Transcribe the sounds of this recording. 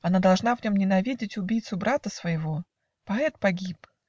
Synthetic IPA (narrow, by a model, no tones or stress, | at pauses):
ɐnad̪ɐlˠʐn̪avnʲo̞mnʲɪnɐvʲidʲɪtʲʊbʲijt̪sʊbɾʔat̪əsvəjɪvo̞ | pɐɛt̪̚pɐɡʲip